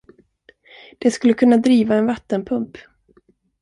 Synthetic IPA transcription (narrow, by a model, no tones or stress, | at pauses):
d̪̥ɛskɵlːəkʰɵnːad̪ɾiːvaɛnvat̪ːənpʰɵmp